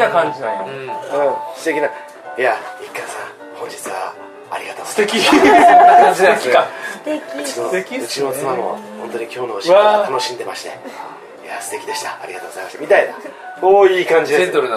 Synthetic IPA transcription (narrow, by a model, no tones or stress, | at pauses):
akãɲd͡ʑinãoɯ̃sɨ̥t̪e̞kʲina | jaikːasã̰ | hõ̞ɲ̟d͡ʑit͡sɨβa̰ː | ɾʲiɡat̪ost̪ekʲi | ad͡ʑiekʲiast̪ekʲiɯinoɯ̟t͡ɕinot͡sɨmamo̞̰hõ̞nt̪oɲ̟ikʲo̞ːnooɕiat̪ano̞ɕĩnd̪e̞maɕi̥t̪e̞̰ | jasɨ̥t̪e̞kʲid̪e̞ɕi̥t̪aːɾʲiɡat̪oːɡozaimaɕi̥t̪a̰mit̪aina | koːiːkãɲ̟d͡ʑid̪et̪oɾɯ